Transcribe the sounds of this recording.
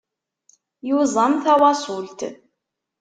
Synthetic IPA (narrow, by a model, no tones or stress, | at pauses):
juzˤəmθæwɑsˤʊlt̪